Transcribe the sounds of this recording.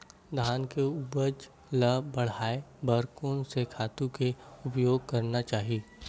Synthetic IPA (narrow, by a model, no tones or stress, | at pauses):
d̪ʱaːnkeʊbəd͡ʒ | ləbɐɽ̤aːebəɾkõnsekʰaːt̪ũkeʊpjoːɡ̚kɐɾnat͡ʃaːɦieː